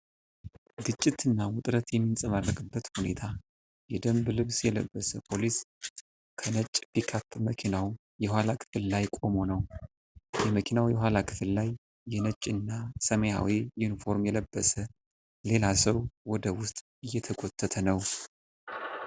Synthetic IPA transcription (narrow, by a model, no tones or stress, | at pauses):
ɡɨt͡ʃʼːit̪ɨnːawʊt̪ʼɾət̪jɛmːinsʼəmarːəkʼɨbːət̪hune̞̰t̪ʰa | jɛd̪əmblɨβsjɛlə̰bːəsəpʰo̞lis | kʰənət͡ʃʼːbikʰat̪ːməkʰinaw | jɛhʷalakʰɨ̥fɨllajkʼo̞mo̞nəw | jɛməkʰinawjɛɦʷalakʰɨ̥fɨllajː | ɛnət͡ʃʼːɨnːasəməja̰wijunifo̞ɾmjɛləbːəsə | le̞lasəwwɔd̪əwʊst̪ʼ | ɨjːɛt̪ʰəɡo̞t̪ʰːət̪ʰənəw